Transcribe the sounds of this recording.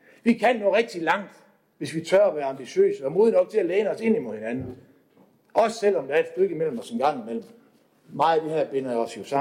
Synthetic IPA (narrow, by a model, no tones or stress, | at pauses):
ʋikʰæn̰joʁɛɡ̥̚d̥ilɑ̈ŋ̰d̥ | ʋe̝sʋit͡sʰɶɐɒʋæːɐɑ̈mb̥iɕø̰ːsəɒmoːð̞ˠnɒ̽ɡ̥̚t͡sʰe̝æleːnəɒ̽se̝nimoðˠhe̝nænn̩ | ʔɒ̽sə̥sel̰ɒ̽md̥ɑɐd̥sd̥øɡ̥əimel̰m̩ɒ̽senɡ̥ɑ̈ŋ̰imel̰m̩ | mɑ̈ɪd̥ehæɐ̰b̥e̝nɐjaɒ̽sjo̝sɑ̈